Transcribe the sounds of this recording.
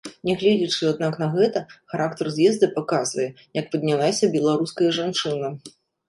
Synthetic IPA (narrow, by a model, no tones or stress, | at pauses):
nʲɛɣlʲɛd͡zʲit͡ʂɨad̪̚naknɐɣɛt̪ɐxaɾakt̪ɐrzʲjʲɛzd̪ɨpakazvɐjɛ | jɐk̚pɐd̪ʲnʲalˠasʲɐbʲɛlˠaɾuskɐjɐʐant͡ʂɨnɐ